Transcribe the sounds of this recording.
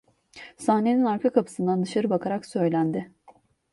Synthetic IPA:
sahne̞ninaɾkʰakʰapʰɯ̥sɯnd̪and̪ɯʃaɾɯbakʰaɾaksø̞jlʲænd̪ɪ

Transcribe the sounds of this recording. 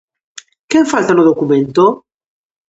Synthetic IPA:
keeɱfalt̪anoðokumẽnt̪o

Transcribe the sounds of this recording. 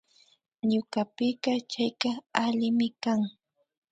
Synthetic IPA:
ɲʊkapɪɢɑt͡ʃajkaalɪmɪkaŋ

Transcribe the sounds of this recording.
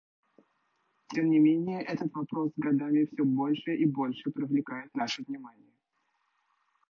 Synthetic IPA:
tʲemnʲɪmʲenʲɪjəʔɛt̪ət̪vɐpɾo̞szɡɐd̪amʲɪfsʲobo̞lʲʂɨʔibo̞lʲʂɨpɾʲɪvlʲɪkajɪt̪naʂɨvnʲɪmanʲɪjə

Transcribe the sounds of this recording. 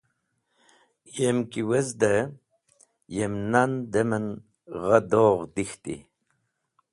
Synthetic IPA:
jemkiwezd̪ə | jemnand̪emən | ʁəd̪oːʁd̪ixt̪ḭ

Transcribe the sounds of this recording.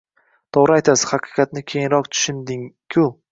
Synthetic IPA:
t̪ʰɒʁɾɪajt̪ʰasɪ̥hɑqʰɨ̥qʰɑt̪nɪkʲʰejɪnɾɒq̚t̪ʰʊ̥ʃɪnd̪ɪŋkʲʰʊ

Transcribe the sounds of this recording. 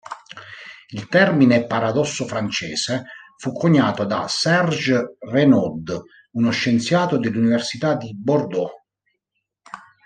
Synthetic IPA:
ilt̪ɛrminepaɾad̪ɔsːofɾant͡ʃɛ̰ːsefukʰːoɲːaːt̪od̪a̰sɛrd͡ʒrenɔd̪ | unoʃːent̪sjaːt̪od̪elːuniversit̪ad̪ibord̪ɔ

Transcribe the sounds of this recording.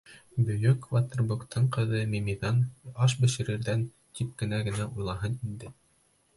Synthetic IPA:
bɵ̆jɵkvɑt̪ɤ̆rbukt̪ɤɴqɤ̆ðɤmimiðɑnɑʃ̬bɘ̆ʃɘ̆ɾɘ̆ɾðæn | t̪ip̚kɘ̆næɡɘ̆næʔujlˠɑɦɤnind̪ɘ

